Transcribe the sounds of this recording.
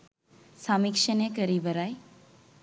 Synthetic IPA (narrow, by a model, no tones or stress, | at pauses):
samikʃənekəɾibəɾaj